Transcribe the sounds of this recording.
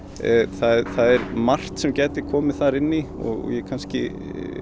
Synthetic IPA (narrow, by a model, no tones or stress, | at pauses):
θaðθaðɛɾmar̥t̪sɛmcajt̪ɪkʰɔːmɪθaɾɪnːiɔ̰ɣɔ̰jɛkʰanscɪ̰